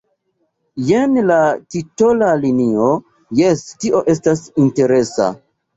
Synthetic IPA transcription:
jenlatito̞lalinio | jestiʔo̞ʔe̞stasinte̞ɾe̞sa̰

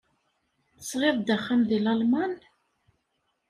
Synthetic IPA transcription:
θəsʁeðˤd̪æχːamðilɑlman

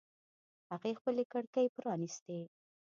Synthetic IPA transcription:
haɣexpəlekaɽkajpɾɑnist̪e

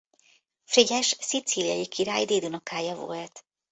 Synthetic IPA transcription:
friɟɛʃsit̪silijɒjikʰiɾaːjd̪eːd̪unokaːjɒvo̰lt̪

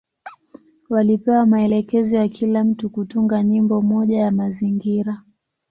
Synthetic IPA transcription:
walipɛwamaɛlɛkɛzɔjakʰilam̩tukutuŋɡaɲimbɔmɔʄajamaziŋɡiɾa

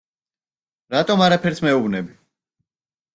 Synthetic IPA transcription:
ɾat̪ʼɔmaɾapʰɛɾsmɛubnɛbi

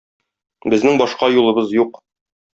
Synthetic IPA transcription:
bɘ̆znɘŋbɒʃqɑjulˠɤ̆bɤzjuq

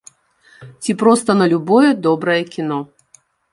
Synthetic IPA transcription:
t͡sʲipɾɔst̪ɐnɐlʲubɔjɛd̪ɔbɾɐjɛkʲinɔ

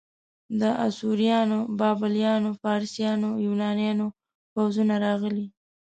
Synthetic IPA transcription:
d̪əʔa̰suɾijɑnobɑbɪljɑnofɑɾsjɑnojunɑnjɑno | pawzunaɾɑɣəli

